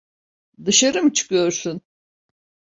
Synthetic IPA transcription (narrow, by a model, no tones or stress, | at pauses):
d̪ɯʃaɾɯmɯt͡ʃʰɯ̥kʰɯjo̞ɾsun